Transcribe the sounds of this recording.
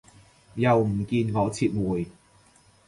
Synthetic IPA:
jɐ˨wm̩˨˩kiː˧nŋɔː˨˧t͡sʰiː˧t̚mwuː˨˩j

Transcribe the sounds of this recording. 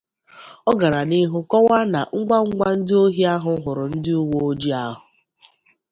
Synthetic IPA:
ɔ˦ɡa˨ɾa˨ni˦ɦʊ˦kɔ˦wa˦na̰˨ŋ̩˦ɡ͡bʷa˦ŋ̩˦ɡ͡bʷa˦n̩˦dɪ˦o˦ɦi˦a˦ɦʊ˦ɦʊ˨ɾʊ˨n̩˦dɪ˦ʊ˦wo˦o˦d͡ʒi˦a˦ɦʊ˨

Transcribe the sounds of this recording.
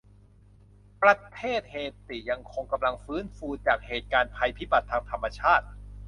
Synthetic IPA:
pɾa˧t̪ʰeː˥˩t̪̚heː˨˩t̪ːi˨˩ja˧ŋkʰo˧ŋka˧mla˧ŋfɯː˦˥nfuː˧t͡ɕaː˨˩k̚heː˨˩t̪̚kaː˧npʰa˧jpʰiː˦˥˩ba˨˩t̪ʰːaː˧ŋt̪ʰa˧mːa˧t͡ɕʰaː˥˩t̪̚

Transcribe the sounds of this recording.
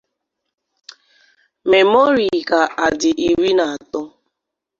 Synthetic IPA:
me˨mo˦ɾi˨ka˨ʔa˨dɪ˨ʔi˨ɾi˦na˨a˨tʊ˦

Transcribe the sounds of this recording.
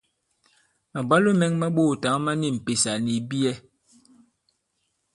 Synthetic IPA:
ma˨ba˦lo˦mɛ˨˦ŋma˦ɓo˦˨ta˨˦ma˦ni˦˨m̩˨pe˨sa˨ni˨bi˦ɛ˦

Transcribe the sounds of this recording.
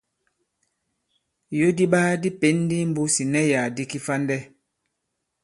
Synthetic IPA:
jo˦di˦ɓaː˦di˦pe˨˦n˦di˦m̩˦bu˦si˨nɛ˦ja˨di˦ki˦fa˦ndɛ˦

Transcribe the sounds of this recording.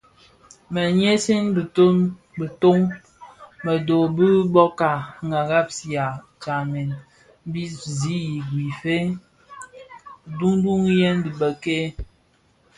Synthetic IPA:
mə˨ɲe˦si˦nbto˦nbə˨to˦ŋ | mə˨do˨bə˦bɔ˦ka˨ŋɡa˨ɣa˦p̚si˨a˨ | t͡ʃa˨mɛ˨n˦ | bi˦zi˨˦i˨ɡwi˨fe˦ | du˦ŋ˦du˦ŋ˦jɛ˦n˦di˨bə˨ke˦

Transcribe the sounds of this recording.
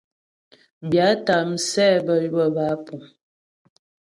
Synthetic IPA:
bja˨˦ta˨m̩˨sɛ˦˨bə˦˨jbə˦˨ba˨˦pu˨m

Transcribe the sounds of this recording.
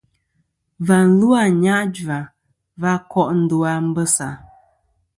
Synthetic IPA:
va˨n̩˨˦lu˦a˦˨ɲa˦ʔd͡ʒwa˨ | va˦kɔ˦ʔn̩˦du˦a˦m̩˦bə˦sa˨

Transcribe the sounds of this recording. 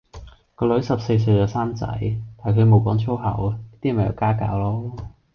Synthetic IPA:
kɔː˧lɵ˨˥ɥsɐ˨p̚se˧js̬ɵ˧ɥt͡saː˨˧saː˥mt͡sɐ̰˨˥jt̪aː˨˩jkʰɵ˨˧mo˨˧wkɔː˨˥ŋt͡ʃʰo˥wɦɐ̰˨˩wjɐ˥t̪iː˥mɐ˨˩jɐ̰˨˧wkaː˥ka̰ː˧wlɔː˥

